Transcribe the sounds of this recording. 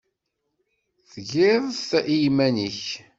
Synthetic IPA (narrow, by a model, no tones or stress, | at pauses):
θʝɪðˤθʔijmæniç